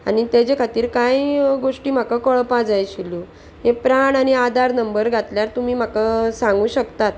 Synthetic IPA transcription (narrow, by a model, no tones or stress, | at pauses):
a̰ñit̪jat͡ɕekʰat̪iːɾkajɡoʂʈiːm̤akakəɭpad͡zajɕilu | ɦepɾaɳaɽ̃iad̪aɾnəmbəɾɡʱat̪ljaɾt̪um̤iːm̤akəsãŋɡuːɕəkt̪at̪̚